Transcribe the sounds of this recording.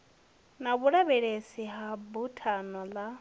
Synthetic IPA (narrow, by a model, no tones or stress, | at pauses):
naβuɺaβɛɺesiɦabutʰanɔla